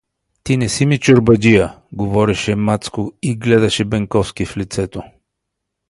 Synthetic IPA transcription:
t̪inɛsimit͡ʃoɾbɐdʲija | ɡovɔɾɛʃɛmat̪skoiɡlɛd̪ɐʃɛbɛŋkɔfskiflit̪sɛt̪o

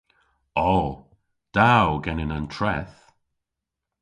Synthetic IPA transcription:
ɔ | d̥awɡɛnɪnantʰɹɛθ

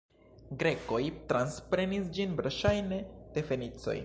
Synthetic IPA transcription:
ɡɾe̞ko̞jtɾanspɾe̞nisd͡ʒinbɾaʃajne̞d̥e̞fe̞nit͡so̞̰j

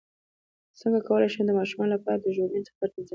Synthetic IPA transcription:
səŋɡakawəlajʃed̪əmɑʃumɑnlapɑɾad̪əʒoɡint͡sə̥faɾt̪iza

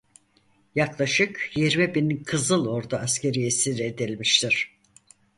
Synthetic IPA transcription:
jaklˠaʃɯkjiɾmibinkʰɯzɯlˠo̞ɾd̪aːscʲe̞ɾijesiɾed̪ilʲmiʃt̪ʰiɾ̥

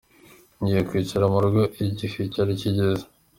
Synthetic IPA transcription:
ɲɟijekwiːt͡ʃiɾamuɾuɡoʔiɟificaɾiciɟezḁ

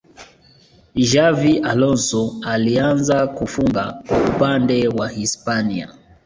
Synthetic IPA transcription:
ʒaviʔalɔnsɔalianzakufuŋɡakwaupandɛwahispania̰

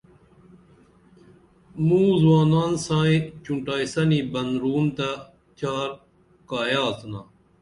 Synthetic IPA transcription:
mũːzwaːnaːnsãːĩt͡ɕuɳʈaːisɐniːbɐnɾuːmt̪a | t̪ʰaːɾ | kaːjaːt̪ʰnaː

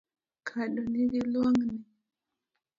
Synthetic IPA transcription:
kʰaɗɔniɾilaŋni

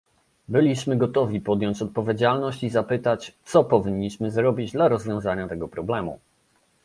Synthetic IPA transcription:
bɘlʲiɕmɘɡɔt̪ɔvʲipɔd̪jɔɲt͡ɕɔt̪̚pɔvʲjed͡ʑalnɔɕt͡ɕizapɘt̪at͡ɕt̪sɔpɔvʲiɲːiɕmɘzɾɔbʲid͡ʑd̪laɾɔzvʲjɔ̃w̃zaɲat̪ɛɡɔpɾɔblɛmṵ

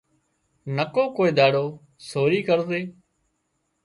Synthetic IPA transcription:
nəkoːkoːeːd̪aːɽoː | soːɾiːkəɾzeː

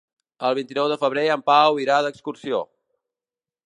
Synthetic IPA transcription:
əlˠβint̪inɔwðəfəβɾeəmpawiɾaðəkskursio̰

